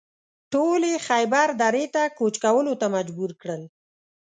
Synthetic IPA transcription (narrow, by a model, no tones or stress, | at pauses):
ʈolexajbaɾd̪aɾet̪akot͡ʃkawəlot̪amad͡ʒbuɾkɽəl